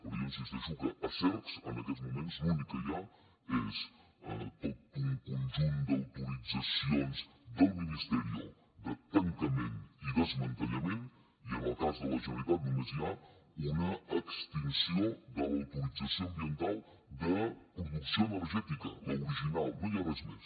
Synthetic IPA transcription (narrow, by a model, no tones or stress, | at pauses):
puɾiəmsizd̪əʒuɣəʔəsɛɾksə̰nəkɛt͡szmumenzlunikəʒa | es | ə̰t̪ot̪uŋkunʲʒund̪əwt̪uɾid͡zəsionz | d̪əlˠminist̪əɾio̰ | d̪ət̪əŋkəmeniðəzmənt̪əɲəmen | iənəlˠkazðələʒənəlit̪at̪̚minəziaunəəkst̪insiod̪ələwt̪uɾid͡zəsioəmbiənt̪alˠ | d̪əpɾuðuksioənəɾʒɛt̪ikə̰ləuɾiʒinalˠnojaβɛzmḛs